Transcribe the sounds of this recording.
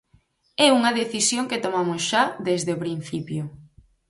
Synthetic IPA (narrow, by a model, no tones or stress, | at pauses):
ɛuŋɐðeθisjoŋket̪omamʊsʃaðezðepɾin̟θipjo